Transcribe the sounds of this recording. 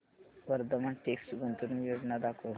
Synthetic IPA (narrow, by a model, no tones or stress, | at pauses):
ʋəɾd̪əməɳʈeksʈɡənt̪uɾunjod͡znad̪akʰo